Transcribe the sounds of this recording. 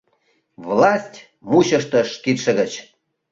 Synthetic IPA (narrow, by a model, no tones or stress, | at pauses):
vlɑsʲtʲ | muɕə̆ʃt̪ə̆ʃkit̪ʃə̆ɣə̆t͡ɕ